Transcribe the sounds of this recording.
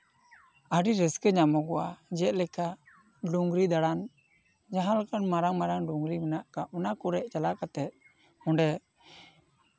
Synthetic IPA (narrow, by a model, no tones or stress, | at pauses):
əɖiɾəskəɲamɔɡɔwad͡ʒɛt̪̚ˀlɛka | ɖuŋɡɾid̪aɽan | d͡ʒaɦalkanmaɾaŋmaɾaŋɖuŋɡɾimɛnaʔkaʔɔnakɔɾɛʔt͡ʃalakat̪ɛt̪̚ | ɔɳɖɛ